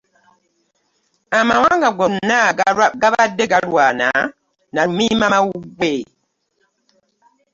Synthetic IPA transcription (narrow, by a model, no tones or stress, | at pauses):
amawaŋɡaɡonaɡaβadːeɡalwaːna̰ | naumimamawuɡwe